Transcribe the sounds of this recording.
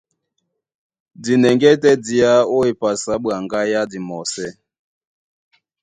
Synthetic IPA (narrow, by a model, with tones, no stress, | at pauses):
di˨nɛ˨ŋɡɛ˦tɛ˦di˨a˦o˦e˨pa˨sa˦ɓwa˨ŋɡa˦ja˦di˨mɔ˨sɛ˦